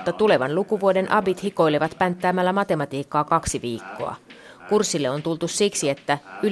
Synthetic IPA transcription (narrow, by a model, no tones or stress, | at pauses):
t̪ːɑt̪ule̞ʋɑnlukuʋuode̞nʔɑbit̪hiko̞jliʋɑt̪pænt̪ːæːmælːæmɑt̪e̞mɑt̪iːkːɑːkɑksiʋiːkːo̞̰ɑ̰ | kursːilːeo̞nt̪ult̪ussiksie̞t̪ːæy